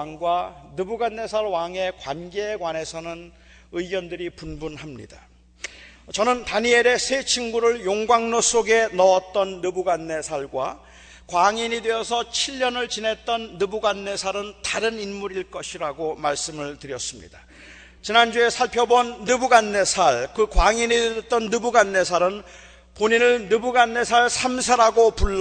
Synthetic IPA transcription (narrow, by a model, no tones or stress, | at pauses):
ŋɡwanɯbuɡanːe̞sʰaɾwaŋe̞kwanɡe̞ɡwane̞sʰʌnɯn | ɯiɡjʌndɯɾipunbunɦamɲḭda | t͡ɕʌnɯntaɲie̞ɾe̞sʰet͡ɕʰiŋɡuɾɯɭjoŋɡwaŋnos͈oɡe̞nʌʌt̚t͈ʌnːɯbuɡanːe̞sʰaɭɡwa̰ | kwaŋiɲide̞ʌsʰʌt͡ɕʰiʎːʌnɯɭt͡ɕine̞t͈ʌnːɯbuɡanːe̞sʰaɾɯntaɾɯninmuɾiɭk͈ʌɕʰiɾaɡomaɭs͈ɯmɯɭtɯɾjʌs͈ɯmɲḭd̥a | t͡ɕinand͡ʑue̞sʰaɭpʰjʌbwʌnːɯbuɡanːe̞sʰaɭkɯkwaŋiɲieʌt͈ʌnːɯbuɡanːe̞sʰaɾɯn | poɲinɯɭnɯbuɡanːe̞sʰaɭsʰamsʰaɾaɡopuɭː